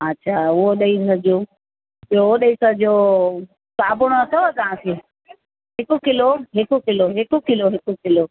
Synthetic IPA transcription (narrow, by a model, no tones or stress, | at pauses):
ɐtːɕʰaːʊɦoɗɐisɐd͡ʑo | oɗɐisɐd͡ʑo | kaːbʱʊɽ̃oɐt̪ʰot̪aãse | ɦɪkʊkɪloɦɪkʊkɪloɦɪkʊkɪloɦɪkʊkɪlo